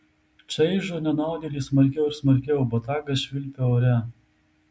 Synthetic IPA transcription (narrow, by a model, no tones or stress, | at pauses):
t͡ʃʲɐɪʒonʲɛnɑˑʊd̪ʲɛːlʲiːsmɐɾʲkʲɛʊɪɾsmɐɾʲkʲɛʊbɐt̪ɑːɡɐʃʲʋʲɪlʲpʲeoːɾʲɛ